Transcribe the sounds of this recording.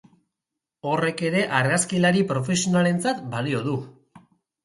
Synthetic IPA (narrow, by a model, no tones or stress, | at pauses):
o̞re̞ke̞ɾe̞ʔaɾɣaskilaɾipɾo̞fe̞sio̞nale̞nt͡sat̪balio̞ðu